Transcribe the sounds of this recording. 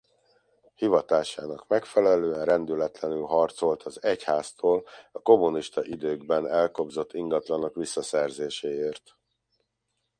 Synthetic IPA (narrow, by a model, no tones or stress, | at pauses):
hivɒt̪aːʃaːnɒkmɛkfɛlɛløːɛnrɛnd̪ylɛt̪lɛnylɦɒrt̪so̞lt̪ʰɒzɛchaːst̪oːlɒko̞mːuniʃt̪ɒʔid̪øːɡbɛnɛlko̞bzo̞t̪ʰːiŋɡɒt̪lɒno̞kʋisːɒsɛrzeːʃeːeːrt̪